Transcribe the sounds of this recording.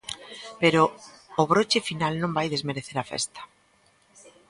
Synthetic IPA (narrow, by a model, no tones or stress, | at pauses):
peɾoː | βɾot͡ʃefinalnõmbajðezmeɾeθeɾafḛst̪ḁ